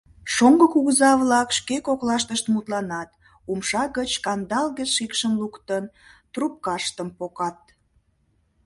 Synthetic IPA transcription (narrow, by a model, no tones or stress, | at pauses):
ʃoŋɡəkuɣəzɑβlɑkʃkekoklɑʃt̪əʃt̪mut̪lɑnɑt̪ | umʃɑɣət͡ɕkɑnd̪ɑlɣəʃikʃəmlukt̪ənt̪rup̚kɑʃt̪əmpokɑt̪̚